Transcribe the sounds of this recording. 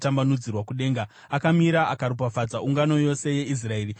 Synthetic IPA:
tambanud͡zirwakuɗe̞ːŋɡa | akamiɾaʔakaɾup̬afad͡zauŋɡano̞jo̞se̞je̞is̬rae̞ːri

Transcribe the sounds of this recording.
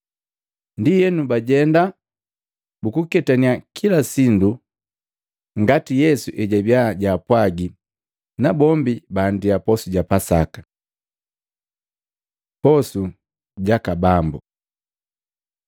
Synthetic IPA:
ndijɛnubaɟɛnda | bukukɛtaniakʰilasindu | ŋɡatijɛsuʔɛɟabjaɟapwaɡi | nabɔmbibaːndiapɔsuɟapasakḁ | pɔsu | ɟakabambu

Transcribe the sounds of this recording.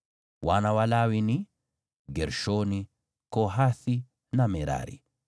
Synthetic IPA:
wanawalawini | ɡɛɾʃoni | kɔɦaθi | namɛɾa̰ɾḭ

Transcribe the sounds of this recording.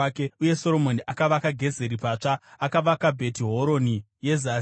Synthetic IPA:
keuje̞so̞ɾo̞mo̞niʔakaʋakaɡʱe̞ze̞ɾipaːt͡ʂaːkaʋakabʱe̞tiɦo̞ɾo̞ni | je̞za

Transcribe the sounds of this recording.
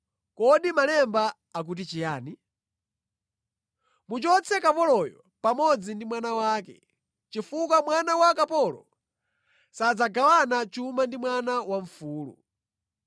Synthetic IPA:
kɔɗimalɛmbaː | k̬ut̬it͡ʃijaːni | mut͡ʃɔt͡sʰɛkapɔlɔjɔ | pamɔd͡zindimwanawaːkɛ̰ | t͡ʃifuk̬amwanawakapɔlɔ̰ | sad͡zaɡawanat͡ʃumandimwanawaɱfuːlṵ

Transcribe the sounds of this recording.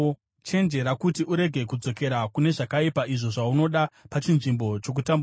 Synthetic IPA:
t͡ʃe̞nd͡ʒe̞ɾakutiʔuɾe̞ɡʱe̞kud͡zo̞ke̞ɾakune̞ʐakaipaʔiʐo̞ʐauno̞ɗapat͡ʃinʐimbo̞t͡ʃo̞k̬utambu

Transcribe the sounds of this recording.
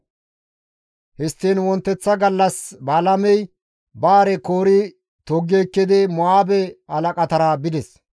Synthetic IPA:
hɪst̪ːeːnwɔnt̪ːɛt͡sːɐɡɐlːɐsbaːlɐmɛj | baːɾɛkoːɾɪ | t̪ɔɡːeːkːɪd̪ɪmɔaːbɛɐlɐkʼɐt̪ɐɾaːbɪd̪ɛs

